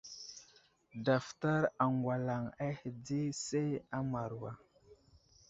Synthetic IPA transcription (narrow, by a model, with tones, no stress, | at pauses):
da˨fta˦ɾa˨ŋɡwa˨la˨ŋa˦hi˨di˦se˦a˦ma˨ɾwa˨